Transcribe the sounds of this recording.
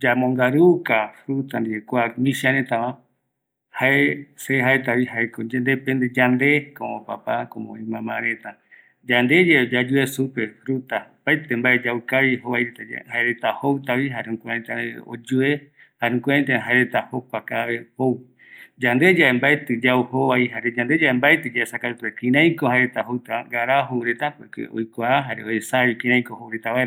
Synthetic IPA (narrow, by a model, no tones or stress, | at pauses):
d͡ʒamõŋɡaɾukafɾut̪and̪iekʷamĩʃaɾẽt̪ãwã | haeseɦaet̪aβiɦaekod͡ʒnd̪epend̪ed͡ʒand̪e̞koõpa̰pakõmõ̰ĩmãmãɾet̪a | d͡ʒand̪e̞d͡ʒed͡ʒad͡ʒuesupefɾut̪apaet̪embaed͡ʒaɨkaβihoβajɾet̪ad͡ʒhaeɾet̪ahowt̪aβiɦaɾũkʷeẽt̪aeo̰d͡ʒue | haeũkʷeãt̪̬eaɦaeɾe̞t̪ahokʷakaβe̞how | d͡ʒand̪e̞d͡ʒaembaet̪ɨd͡ʒauhoβaiɦaɾed͡ʒand̪e̞d͡ʒaembaet̪ɨd͡ʒaesakaɾut̪uekĩɾ̃ãj̃kohaeɾe̞t̪aɦowt̪aɡaɾaɦowɾe̞t̪akekḛo̰jkʷaaɦaɾeoesaβikĩɾãj̃kohowɾet̪aβaeɾa